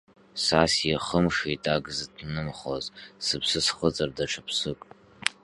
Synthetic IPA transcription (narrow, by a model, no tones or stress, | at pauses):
sasjaχəmʂitʼaɡzɨdnɨmχozsɨpʰsɨsχət͡sʼɨrdaʈ͡ʂʰapʰsɨkʼ